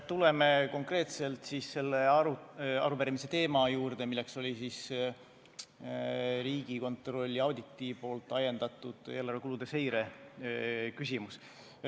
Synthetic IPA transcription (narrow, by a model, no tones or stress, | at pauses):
t̪ule̞meko̞ŋkre̞ːt̪se̞lt̪sise̞lːeɑɾuɑ̰ɾupæɾimise̞t̪e̞ːmɑjuːrd̪̥e̞milːe̞kso̞lʲisis | ɾiːɡ̥iko̞nt̪ro̞lʲːiɑwd̪it̪ːipo̞ːlt̪ːˑɑje̞nd̪̥ɑt̪ːˑud̪̥e̞ːlɑrvekulud̪̥e̞se̞jɾe̞ | kysʲimus